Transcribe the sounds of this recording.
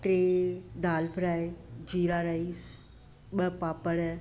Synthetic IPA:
ʈɾeːd̪aːlfɾaːed͡ʒiːɾaːɾais | ɓəpaːpəɽ

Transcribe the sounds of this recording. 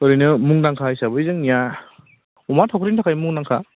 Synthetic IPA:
ɔɾijnɯmuŋnaŋkʰajsabɯizɯŋnija | umatʰawkʰɾintʰakʰajmuŋnaŋkʰa

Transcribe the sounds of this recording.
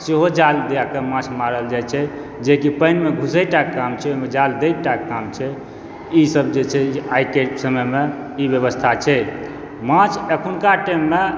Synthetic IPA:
seɦod͡ʒald̪ejakemãt͡ʃʰmaɾəld͡ʒajt͡ʃʰɛ | d͡ʒekipənmeɡʱusəjʈakːamt͡ʃʰɛomed͡ʒald̪ejʈakkːamt͡ʃʰɛ | isəbd͡ʒet͡ʃʰɛajkesəməjme | ibjəβəst̪ʰat͡ʃʰɛ | mãt͡ʃʰəkʰunkaʈəmːe

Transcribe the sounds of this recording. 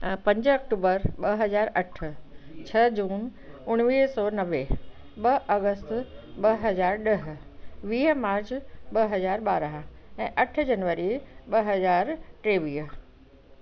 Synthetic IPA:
pɐ̃ɲd͡ʑɐk̚ʈuːbəɾɓɐɦɐzaːɾɐʈ̆ʰt͡ɕʰɐd͡ʑũːnʊɽ̃ʋiːɦsɔːnɐʋe | ɓɐʔɐɣəst̪ɓɐɦɐzaːɾɗɐɦ̆ | ʋiːɦ̆maːɾt͡ɕɓɐɦɐzaːɾɓaːɾəɦ̆ɛ̃ːʔɐʈ̆ʰd͡ʑɐnʋəɾiɓɐɦɐzaːɾʈɾeːʋiːɦ

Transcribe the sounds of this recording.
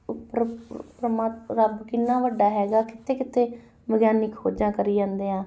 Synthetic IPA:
pɾəpɾəmaːɾəbkɪnːãːʋəɖːaːɦɛːɡaːkɪt̪ʰeːkɪt̪ʰeː | ʋəɡjaːnɪkho̰ːd͡ʒãːkəɾiːd͡ʒãːnd̪eːãː

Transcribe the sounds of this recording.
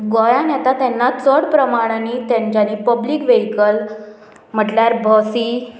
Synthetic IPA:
ɡɔjanjat̪at̪janːat͡sɔɽpɾəmaɽ̃anit̪jãɲt͡ɕaniːpəblikʋeɦikəl | m̤əʈljaɾbʱɔsiː

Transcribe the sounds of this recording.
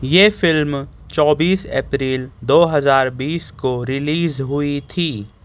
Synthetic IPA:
jeːfɪlm | t͡ʃɔːbiːsḛːpɾiːld̪oːɦɐzaːɾbiːskoɾɪliːzɦʊit̪ʰiː

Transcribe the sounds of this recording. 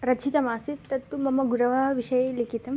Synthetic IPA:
ɾɐt͡ʃʰit̪ɐmaːsit̪ːɐt̪ːumɐmɐɡuɾɐʋɐɦɐʋiʃɐjelikʰit̪ɐm

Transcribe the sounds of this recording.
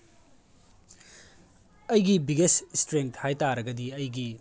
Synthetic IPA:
ɐjɡibiɡesstɾeŋtʰhajtaɾɐɡɐdiɐjɡi

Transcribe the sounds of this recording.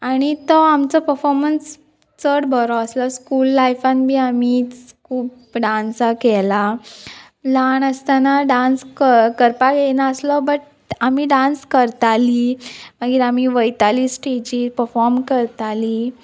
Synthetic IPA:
aɽ̃it̪ɔamt͡sɔpəɾfɔɾməns | t͡səɽbʱəɾɔəslɔskuːlːajfãnbʱiːamiːt͡skʰuːp | ɖãnsakɛla | laɳəst̪anaɖãnskəkəɾpaɡenaəslɔbəʈ̚ | amiɖãnskəɾt̪aliməɡiːɾamiʋəjt̪aliːsʈed͡ʑipəɾfɔɾmkəɾt̪ali

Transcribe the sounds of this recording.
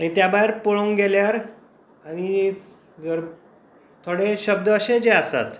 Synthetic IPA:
aɽ̃it̪jabaeɾpoɭəŋɡeljaɾ | aɽ̃i | d͡zəɾ | t̪ʰoɽeɕəb̚d̪əːɕed͡ʑeasa̰t̪

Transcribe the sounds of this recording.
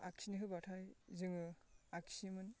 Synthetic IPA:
aksʰiniɦɯbatʰajzɯŋɯaksimɯn

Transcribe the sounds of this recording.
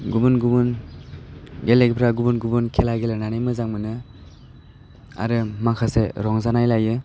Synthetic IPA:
ɡubunɡubun | ɡelekpʰɾaɡubunɡubunkʰelaɡelenanajmɯzaŋmɯnɯ | a̰ɾɯmakʰaseɾɔŋzanajlajɯ

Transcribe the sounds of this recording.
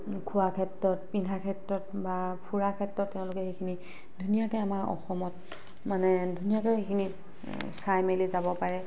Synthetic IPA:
kʰuakʰɛtɹɔt̚pindʱakʰɛtɹɔtbapʰuɹakʰɛtɹɔtːeʊ̃lʊkɛxekʰini | dʱunijakɔjamaɹɔ̰xɔmɔt | manɛdʱunijakɔxekʰini | sajmelizabɔpaɹɛ

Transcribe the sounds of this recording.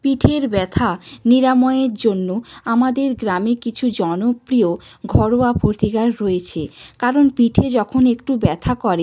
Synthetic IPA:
piʈʰeɾbɛt̪ʰaniɾamɔeeɾd͡ʑonːoamad̪eɾɡɾamikit͡ɕʰud͡ʑɔnopɾio | ɡʱɔɾoapoɾt̪iɡaɾːoet͡ɕʰekaɾonpiʈʰed͡ʑɔkʰonekʈubɛt̪ʰakɔɾe

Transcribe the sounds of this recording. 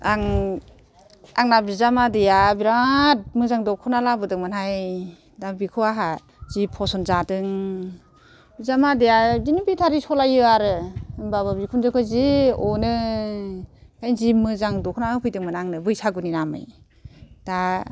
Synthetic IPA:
aŋ | aŋnabizamadejabiɾat̚mɯzaŋdɔkʰɔnalabɯdɯŋmɯnhaj | dabikʰɯwaɦa | zipʰɔsɔnzadɯŋ | bizamadejadinibitʰaɾisɔlajɯaɾɯɯŋbababikʰunzɯkʰɯziɔnɯ | kajnzimɯzaŋdɔkʰɔnaɯpʰɯjdɯŋmɯnaŋnɯbɯjsaɡɯninamɯ̰j | d̥a

